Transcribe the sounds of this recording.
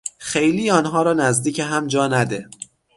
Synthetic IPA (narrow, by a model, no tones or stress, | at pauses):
xejliːɒːnɦɒːɾɒːnæzd̪iːcʰeɦæmd͡ʒɒːnæd̪e